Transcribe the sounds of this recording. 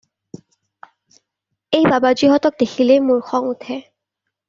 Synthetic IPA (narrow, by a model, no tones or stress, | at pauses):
ejbabaziɦɔtɔk̚dexʰilɛmuɹxʰɔŋutʰɛ